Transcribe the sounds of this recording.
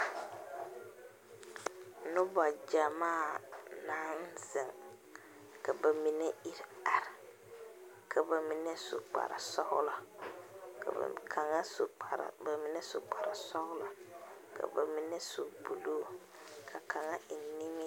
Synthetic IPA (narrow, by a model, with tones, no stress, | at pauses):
nʊ˦ba˨d͡ʒa˨maː˦˨naː˦n˦z̥ɪ˨ŋ | ka˨ba˨mi˨nɛ˦i˨ɾa˨ɾɪ˨ | kʰa˨ba˨mi˨nɛ˦sʊ̰˨k͡pa̰˨ɾa̰˨sɔ˦hʊ˦la˨ | ka̰˨kʰa˨ŋa˦sɾa̰˨ba˨mi˨nɛ˦sʊ˨k͡pa˨ɾa˨sɔ˦hʊ˦la˨kʰa̰˨ba̰˨mi˨nɛ˦su˨bu˨loː˦ | kʰa˨kʰa˨ŋa˦ɪ˨ni˦mɪ˦